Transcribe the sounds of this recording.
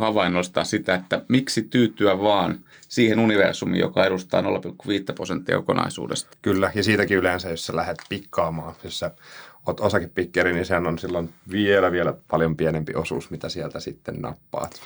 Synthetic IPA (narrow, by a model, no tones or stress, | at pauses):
hɑʋɑinːost̪ɑ̰ːssit̪æet̪ːæmiksit̪yːt̪ːˑyæʋɑːn | siːhenuniʋḛrsumḭjo̰kɑedust̪ɑ̰ːnolːɑpilkːuʋiːt̪ːæprosent̪ːiɑ̰kokonɑ̰isṵːdest̪ɑ̥kylːæjɑsiːt̪ækiylensæjjossælæhet̪pikːɑːmɑːjossæot̪osɑkeppikːeɾinisehænonsilːonʋielæʋielæpɑljompienempiosṵːsmit̪æsielt̪æsit̪ːennɑ̰pːɑ̰ːt̪